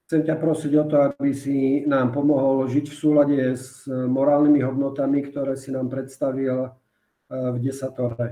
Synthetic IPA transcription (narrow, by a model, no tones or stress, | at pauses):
xt͡sɛmcapɾɔsiɟɔt̪ɔabisinaːmpɔmɔɦɔlʒicfsuːlaɟɛzmɔɾaːlnimiɦɔd̪nɔt̪amikt̪ɔɾɛːsinaːmpɾɛt̪st̪aʋil | vɟɛsat̪ɔɾɛ